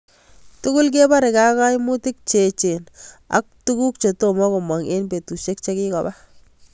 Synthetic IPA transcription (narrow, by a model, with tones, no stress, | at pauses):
tu˦kʊ˦lk̬e˦ba˦ɾe˨ka˦ka˦jmʊ˦ti˦k̚t͡ʃe˨t͡ʃe˨na̰˨k̚tu˦ku˦k̚t͡ʃo˨to˦mɔ˦ko˨mwa˨ŋʔe˦nbe˨tu˨ʃe˦k̚t͡ʃe˦ki˦kɔ˨ba˦